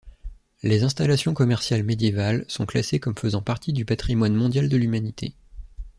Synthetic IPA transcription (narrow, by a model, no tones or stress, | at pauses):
lezɛ̃st̪alasjɔ̃kɔmɛʁsjalmed̪jevalsɔ̃klasekɔmfəzɑ̃paʁt̪id̪ypat̪χimwanmɔ̃d̪jald̪əlymanit̪ʰḛ